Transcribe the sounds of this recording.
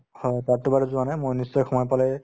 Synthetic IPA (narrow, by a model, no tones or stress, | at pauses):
hɔjtatːɔbaɹɛzʊanajmojnissɔjxɔmɔjpalɛj